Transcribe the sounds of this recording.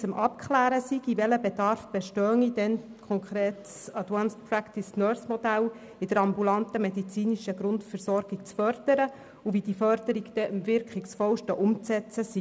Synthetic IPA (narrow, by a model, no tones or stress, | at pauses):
t͡sʊmʔɑp̚kχlæːɾəsiɡivɛləbed̥ɑɾfb̥ɛʃtœːŋidɛnkʰχɔŋkχɾeːtssɑd̪wɑnspʰɾækt̪isnœsmɔd̥̪æl | ɪd̥əɾɑmbulɑnt̪əmed̪it͡siːniʃəɡɾʊntfəɾsɔɾɡ̥ikt͡sfœrd̥̪əɾə | uvid̥ifœɾd̥̪əɾiɡd̥̪ɛʔəmvɪɾkχiksfɔwʃtəʔʊmt͡sɛt͡səsi